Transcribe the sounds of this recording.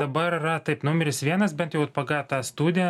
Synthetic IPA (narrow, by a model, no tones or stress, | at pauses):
d̪ɐbɐɾɪrɐt̪ɐɪpnʊmʲɛɾʲɪsʋʲiɛnɐsbʲɛnt̪jɛʊɐt̪̚pɐɡɑːt̪ɑːst̪uːd̪ʲɪjɛ